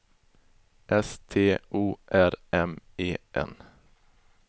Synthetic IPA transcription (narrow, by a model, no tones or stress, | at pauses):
ʔɛst̪ʰeːʔuːʔæɾɛmeːʔɛ̰n